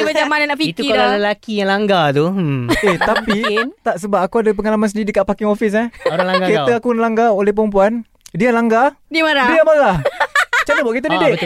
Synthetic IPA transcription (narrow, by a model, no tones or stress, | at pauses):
maamːananaʔpiik̪uialaləlakijaŋlaŋɡat̪ueht̪apit̪aʔsəbap̚akuadap̬əŋalamans̬ədidikaʔpakɪŋofis̬aoɾalaŋɡaket̪əakulaŋɡaolɛhpəɾəmp̬uan | dialaŋɡadiəmaɾadiamaɾaht͡ʃanəbaʔkit̪̬ədidɪʔ